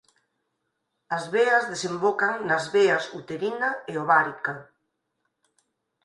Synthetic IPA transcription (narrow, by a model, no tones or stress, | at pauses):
azβeazðesembokaŋnazβeasut̪eɾinaeoβaɾika